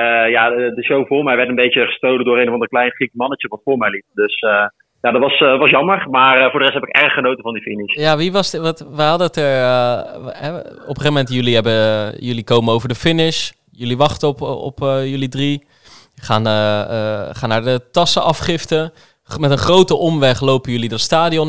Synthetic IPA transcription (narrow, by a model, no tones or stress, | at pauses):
jadəʃowvʊːɹmɛjʋɛɹtənbejt͡ʃəχə̥stowləndʊːɾejnəvɑndəɹklɛjnχikmɑnət͡ʃəʋɑtfʊːɹmɛjlit̚døsə | jadɑtʋɑstʋɑsjɑməɹmaːrəvʊːdərɛsthɛpɪkɛrəχχənowtənvɑndifɪnɪʃjaːʋiʋɑsʋɑtʋəɦɑdətəɹ | ɛɔpəχeəmɛntjɵliɦɛbəjɵlikowmənowvəɹdəfɪnɪʃ | jɵliʋɑχtəpɔ̰pjɵlidri | χaːn | χaːnaːɹdətɑsəʔɑfχɪftə | mɛtənχrowtəʔɔmʋɛχlowpəjɵlidɑtstaːdiɔn